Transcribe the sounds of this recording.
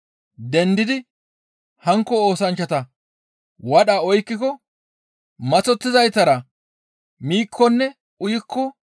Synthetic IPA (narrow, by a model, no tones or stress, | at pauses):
d̪ɛnd̪ɪd̪ɪ | hɐŋkːɔoːsɐnt͡ʃːɐt̪ɐ | wɐɗaɔjkːɪkɔ | mɐt͡sɔt̪ːɪzɐjt̪ɐɾɐ | miːkʰːɔnːɛ | ʔʊjɪkʰːɔ